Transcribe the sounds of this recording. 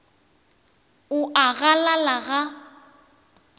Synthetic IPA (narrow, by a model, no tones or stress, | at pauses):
ʊʔaɣalalaɣa